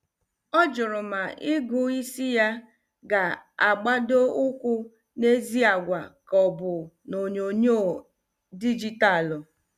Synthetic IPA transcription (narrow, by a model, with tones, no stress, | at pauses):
ɔ˦d͡ʒʊ˨ɾʊ˨ma˨ʔɪ˦ɡʊ˨i˦si˦ja˦ | ɡa˨a˨ɡ͡ba˦do˦ʊ˦kʷʊ˦ | ne˦zi˦a˨ɡʷa˨kɔ˨bʊ˨ | no˨ɲo˨ɲo˦˨ | di˦d͡ʒi˦ta˦˨lʊ˨